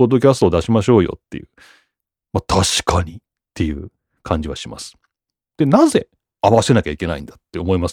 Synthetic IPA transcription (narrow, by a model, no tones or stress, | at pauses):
o̞d̪ːo̞k̬ʲasɨ̥t̪o̞ːd̪aɕimaɕo̞ːjo̞̰t̪ːejɯ̟̰ | mat̪ʰaɕi̥kʰaɲ̟i | t̪ːe̞jɯ̟̰ː | kʰãɲ̟d͡ʑiβaɕima̰sɨ̥ | d̪̥e̞naze̞ | aβaɕit̪enakʲaikʲe̞na̰ḭ̃nd̪at̪ːe̞omo̞imas